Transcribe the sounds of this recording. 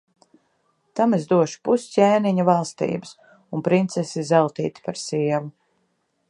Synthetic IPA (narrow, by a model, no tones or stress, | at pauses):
t̪amezd̪uɔʃu̥puscʲɛːniɲuvalˠst̪ḭːbɨs | unpɾint̪sesizalˠt̪ḭːt̪i̥paɾsiɛvu